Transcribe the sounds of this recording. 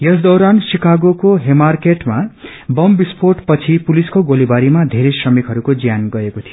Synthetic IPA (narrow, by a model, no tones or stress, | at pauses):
jʌsd̪ʌwɾansikaɡokoɦemarkeʈma | bʌmbisporʈpʌt͡sʰipuliskoɡolibaɾimad̪ʱeɾesrʌmikɦʌɾukod͡zjanɡʌekot̪ʰijo